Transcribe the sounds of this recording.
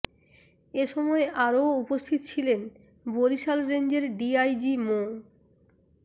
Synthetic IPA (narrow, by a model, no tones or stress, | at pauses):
eʃɔmɔeʔaɾoupost̪ʰit̪ot͡ɕʰilen | boɾiʃalɾend͡ʑeɾɖiajd͡ʑimo